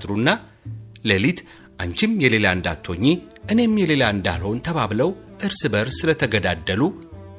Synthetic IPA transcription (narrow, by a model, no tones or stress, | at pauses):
t̪ɾunːa | lelit̪ | ʔaɲt͡ʃɪmjɛle̞laɨnd̪at̪ʰːo̞ɲːi | ʔɨne̞mjɛle̞laɨnd̪a̰lho̞nt̪ʰəβaβləwʔɨɾsɨbəɾsɨlət̪ʰəɡəd̪ad̪ːəlu